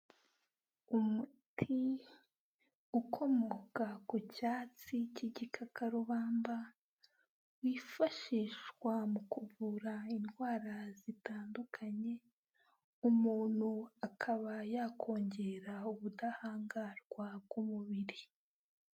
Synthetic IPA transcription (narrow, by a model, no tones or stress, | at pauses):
umutʰi | ukʰo̞mokakucaːt͡siciɟikʰakaɾuβaːmba | wiːfaʃiʃwamukuβuɾainɡwaːɾazitaːndukʰaɲe̞ | umuːn̥huakʰaβajakʰo̞ːɲɟe̞ɾauβudahaːŋɡaɾɡ̥wab̚ɡumuβiɾi